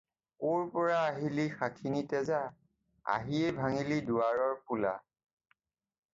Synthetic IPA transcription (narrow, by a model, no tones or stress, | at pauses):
oɹpɔɹaːɦilixakʰinitɛza | a̰ɦiɛbʱaŋiliduaɹɔɹpula̰